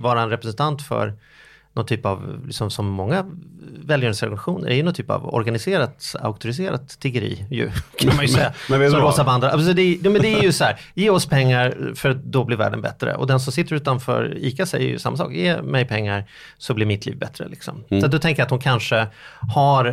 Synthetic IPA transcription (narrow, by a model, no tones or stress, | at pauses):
vɑːɾaɛnɾɛpɾɛsɛnt̪ʰant̪fœ̰ɾ | nʔɔnt̪ʰyːpavlɪksɔmsɔmːɔŋːavɛːljœːɳsɛɾɡnaɧuːnə̰ɾɛɾjɵnɔnt̪ʰyːpa̰vɔ̰ɾɡanɪseːɾat̪a̰ʊk̚t̪ʊɾɪs̬eːɾa̰t̪ʰːɪɡəɾḭːjɵ̰kʰanmanjəsɛjːasɔmɾoːsavand̪ɾaʔsɔd̪ɛjuːmɛnd̪ɛæjɵsɔhæːɾ | jeːɔspʰɛŋːaɾfœɾat̪̚d̪ɔblɪɾvæ̰ːɖənbɛ̰t̪ɾə̰ʔɔ̰d̪ɛns̬ɔmsɪt̪ːəɾʉ̟ːt̪anfœ̰ːɾiːkasɛjɛ̰jɵ̰sa̰mːasɑ̰ːkjeːmɛjpʰɛŋːaɾ | sɔblɪɾmɪt̪lḭːvbɛt̪ɾə̰lɪksɔ̰msat̪̚d̪ɔt̪ʰɛŋkəjat̪hʊnkʰanʂəhaɾ